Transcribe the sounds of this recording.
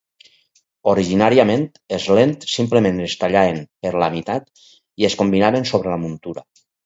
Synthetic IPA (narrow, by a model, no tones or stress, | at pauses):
oɾiʒinaɾiamẽnt̪ezlent̪simplemẽnest̪aʎaenpeɾlamit̪at̪̚ | ieskombinaβensoβ̞ɾelamunt̪uɾa